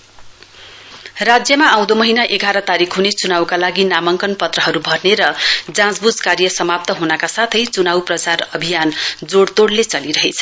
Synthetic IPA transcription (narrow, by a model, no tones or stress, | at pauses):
rad͡zjʌmaãw̃d̪omʌɦinaʔeɡʱaɾʌt̪aɾikʰɦunet͡sunawkalaɡinamʌŋkʌnpʌt̪rʌɦʌɾubʱʌrneɾʌd͡zãd͡zbud͡zkaɾjʌsʌmap̚t̪ʌɦunʌkasat̪ʰʌjt͡sunawprʌt͡sarʌbʱijand͡zoɽt̪oɽlet͡sʌliɾʌɦet͡sʰʌ̥